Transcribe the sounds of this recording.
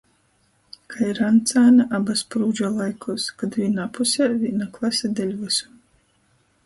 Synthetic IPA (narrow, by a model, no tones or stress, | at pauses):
kʰaiɾant̪saːnaʔabaspɾuːd͡ʒalˠajkʰuskad̪vʲinapusʲavʲinaklˠasʲad̪ʲɛlʲvɨsu̥